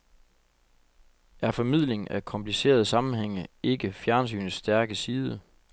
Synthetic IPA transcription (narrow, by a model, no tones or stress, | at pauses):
æɐfɒ̽mið̰ˠle̝ŋækʰɒ̽mpʰlise̝̰ːɐð̞ˠsɑ̈mn̩ɦeŋ̰əe̝ɡəfjæɐns̬y̰ːnsːd̥æɐɡ̥əsiːðˠə